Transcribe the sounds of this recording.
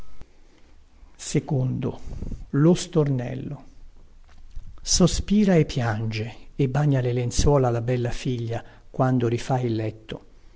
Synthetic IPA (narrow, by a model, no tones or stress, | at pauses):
sekond̪olost̪ornɛ̰lːo | sospiːɾaepːjand͡ʒeebːaɲːalelent̪swɔːlalabɛlːafiʎːa | kwand̪oɾifailːɛt̪ːo̰